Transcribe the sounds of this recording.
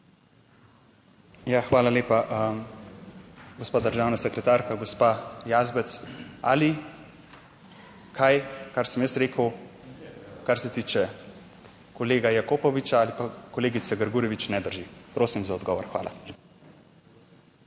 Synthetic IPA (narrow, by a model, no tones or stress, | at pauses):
jaxʋaːlaleːpaʔəm | ɡospaːd̪əɾʒaːwnasɛkɾɛt̪aɾkaɡospajaːzbɛt̪sa̰li | kʰajkaɾsəmjəst̪ɾeːkəw | kaɾsɛt̪iːt͡ʃɛ | kɔleːɡajakoːpɔʋit͡ʃaalipakɔleːɡit̪sɛɡəɾɡuːɾjɛʋit͡ʃnɛd̪əɾʒipɾoːsimzaɔd̪ɡɔːʋɔɾxʋa̰ːlʔa̰